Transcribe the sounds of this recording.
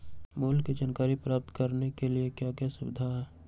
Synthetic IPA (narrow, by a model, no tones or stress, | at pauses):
moːlked͡ʒaːnkaːɾipɾaːp̚t̪kəɾnekeliekjakjasʊbɪd̪ʱaɦɛː